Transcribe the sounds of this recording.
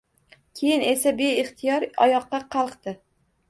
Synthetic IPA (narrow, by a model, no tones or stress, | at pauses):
kʲʰe̞jɪne̞sabe̞ɪχt̪ʰɪjɒɾɒjɒqːɑqʰɑlˠqt̪ɪ